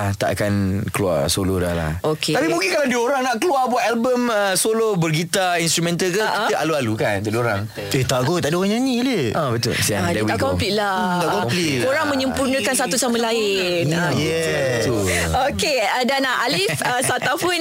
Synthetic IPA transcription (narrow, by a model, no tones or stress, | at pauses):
at̪a̰ʔa̰kanklua̰soloda̰hla̰hokʰet̪apimũŋkɪnkalandiəoɾaŋnaʔkəluabuat̪ɛlbəməsolobərɡit̪ainst̪ɾumɛ̃nt̪alkəʔĩəʔalualukant̪adioɾaŋ | et̪aʔɡot̪aʔdioaɲãɲiləʔabət̪ʊ̰lsiadawakɔ̃mpliʔlaɡakɔmpli | oɾaŋmə̃ɲəmpurnə̃kansat̪usaməlaɪ | n | jɛ | t̪u | oke | ədanaalifəsat̪apʊn